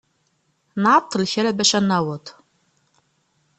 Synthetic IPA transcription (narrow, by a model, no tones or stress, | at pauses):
naːtʰːɨlçɐɾɐbɐɕʼɐnɐwɐtʰ